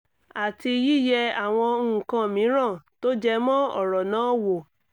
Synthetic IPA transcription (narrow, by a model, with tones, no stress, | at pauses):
a˨ti˧ji˦jɛ˧a˨w̃ɔ̃˧˦˨kã˧mĩ˨˦ɾ̃ã˦˨to˦d͡ʒɛ˦mɔ̃˦ɔ̰˦˨ɾɔ˨nãː˨˦wo˨